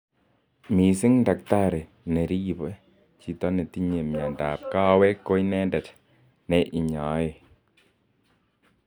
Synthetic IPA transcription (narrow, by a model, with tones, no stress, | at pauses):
mi˨sɪ˦ŋda˨k̚ta˦ɾe˨ | ne˨ɾi˦˨bɛ˦ | t͡ʃi˨tɔ˦ne˨ti˦ɲe˨mja˨nda˨p̚ka˦wɛ˦kːo˦jnɛ˦ndɛ˨t | nɛ˨ʔi˨ɲa˨˦e˨